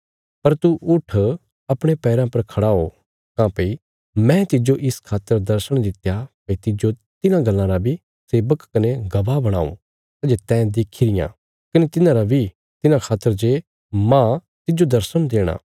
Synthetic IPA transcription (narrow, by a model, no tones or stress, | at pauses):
pɐɾt̪uʔʊʈʰ | ɐpɽ̃epɛːɾãpɐɾkʰɐɽaːo | kãːpei | mɛ̃t̪ɪd͡ʒoʔɪskʰaːt̪ːəɾd̪ɐɾsəɽ̃d̪ɪt̪japɐit̪ɪd͡ʒot̪ɪnãɡɐlːãɾabʱi | seːbəkːɐneɡɐbabɐɽ̃a̰ːṵ̃ | sad͡ʒet̪ɛ̃ːd̪eːkʰiɾɪjã̰ | kɐnet̪ɪnãɾabʱi | t̪ɪnãkʰaːt̪ːəɾd͡ʒe | mãː | t̪ɪd͡ʒod̪ɐɾsəɽ̃d̪eːɽ̃a̰ː